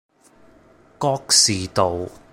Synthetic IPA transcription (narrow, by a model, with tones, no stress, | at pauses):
kɔː˥k̚siː˨t̪o˨w